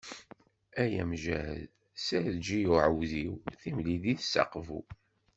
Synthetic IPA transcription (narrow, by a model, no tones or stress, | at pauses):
æjæmʒæhə̰ð | sæɾðd͡ʒijuʕəwðiwθimliðiθəsːɑ̰qvṵ